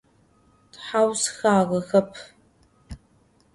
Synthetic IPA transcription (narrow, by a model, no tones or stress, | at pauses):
tħawsxaːʁɐxɐpʰ